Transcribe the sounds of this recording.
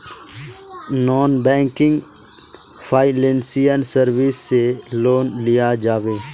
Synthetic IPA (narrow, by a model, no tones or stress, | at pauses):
noːnbɛ̃ːŋkɪ̃ŋɡ | fʰaːɪlẽnsijənsəɾʋisːeloːnlɪjad͡ʒaːʋeː